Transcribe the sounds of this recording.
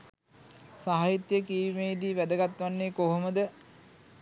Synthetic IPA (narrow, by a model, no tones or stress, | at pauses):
saɦajit̪jəkiːʋimeːd̪iːʋæd̪əɡat̪ʋanːeːkoɦoməd̪ə